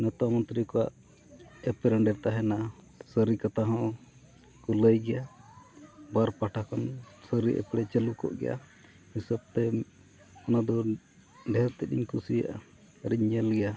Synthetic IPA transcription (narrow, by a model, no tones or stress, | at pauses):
nɔt̪amɔnt̪ɾikɔwa̰ʔ | ɛpɛɾəɳɖɛɾt̪aɦɛna | səɾikat̪aɦɔ̃ | kuləjɡɛja | baɾpaʈʰakansəɾiʔɛ̰pɽɛt͡ʃɛlukɔ̰ʔɡɛja̰ | misəb̚t̪ɛ | ɔnad̪ɔ | ɖɛɦt̪ɛɗḭɲkusija̰ʔa̰ | ɾiɲːɛlɡɛja